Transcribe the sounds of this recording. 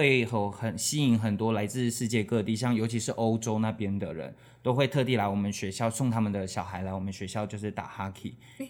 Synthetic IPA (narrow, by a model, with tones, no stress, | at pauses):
we˥˩ɪxə˧˩xə˨˩nɕi˥i˧˥ŋxə˨˩nt̪wɔ˥la˧˥ɪt͡sɹ̩˥˧ʂɻ̩˥˧t͡ɕjɛ˥˧kɤ˥˧t̪i˥˩ɕjɑ˥˩ŋjo˨˧˥t͡ɕʰi˧˥ʂɻ̩˥˩ʔo˥ʊʈ͡ʂo˥ʊna˥˩pjɛ˥nd̪ə̰˨ɻə̰˧˦n | t̪o˥ʊxwe˥˧ɪt̪ʰɤ˥˧t̪̬i˥˩la˧˥ɪwɔ˨˩mə˨˦nɕɥɛ˧˥ɕjɑ˥˧ʊsʊ˥˧ŋt̪ʰa˦˥mə˨nd̪ə˩ɕjɑ˨˩ʊxa˧˥ɪla˧˥ɪwɔ˨˩mə˦nɕɥɛ˧˥ɕjɑ˥˧ʊt͡ɕjo˥˧ʂ̬ɻ̩˥˩t̪a̰˨˩xa˥kʰi˨˩˦